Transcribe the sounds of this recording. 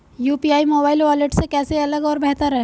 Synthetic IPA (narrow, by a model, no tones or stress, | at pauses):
juːpiaːimoːbaːɪlʋɔːleʈsekɛːseɐləɡɔːɾbɛɦt̪əɾɦɛ